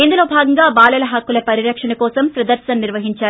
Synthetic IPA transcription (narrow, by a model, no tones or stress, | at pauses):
ind̪ulo̞ːbʱaːɡɐŋɡaːbaːlɐlɐɦɐkːulɐpɐɾiɾɐkʂɐɳɐkɔːsɐmsɾɐd̪ɐɾsɐnniɾʋɐɦiɲt͡ʃaːɾu